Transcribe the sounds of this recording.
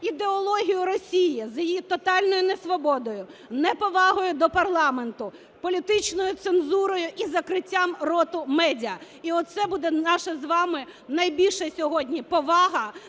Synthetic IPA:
id̪eɔlˠɔɦʲijʊɾɔsʲijizjɪjit̪ɔt̪ɑlʲnɔjʊnesʋɔbɔd̪ɔjʊnɛpɔʋɑɦɔjʊd̪ɔpɐrlˠɑment̪ʊ | pɔlʲit̪ɪt͡ʃnɔjʊt̪senzuɾɔjʊʔizɐkɾɪtʲːamrɔt̪ʊmɛdʲiɐ | iɔt̪̚sɛbud̪ɛnɑʃɐzʋɑmɪnɐjbʲilʲʃɐsʲɔɦɔdʲnʲipɔʋɑɦɐ

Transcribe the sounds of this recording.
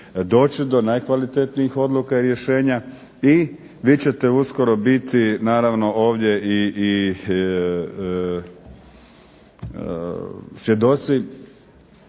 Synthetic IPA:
d̪o̞ːt͡ɕid̪o̞najkʋalit̪et̪niixo̞d̪lˠukaiɾje̞ʃe̞ːɲa | i | ʋiːt͡ɕe̞t̪e̞usko̞ɾo̞bit̪inaːɾaʋno̞ʔo̞ːʋd̪je̞iː | sʋje̞d̪o̞t̪si

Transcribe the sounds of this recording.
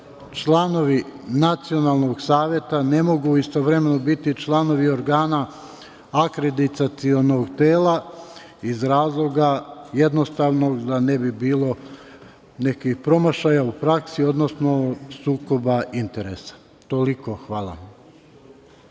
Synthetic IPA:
t͡ʃlˠano̞ʋinat̪sio̞naːlˠno̞ɡsaːʋje̞t̪ane̞mo̞ɡuist̪o̞ʋɾe̞meno̞bit̪it͡ʃlˠano̞ʋio̞ɾɡaːnaː | kɾe̞d̪it̪at̪sio̞no̞ɡt̪eːla | izɾaːzlˠo̞ɡaje̞d̪no̞st̪aʋno̞ɡd̪anebibiːlˠo̞ | ne̞kixpɾo̞maʃajaupɾaksio̞d̪no̞sno̞suːko̞baʔint̪eɾe̞sḁ | t̪o̞likoxʋaːlˠa̰

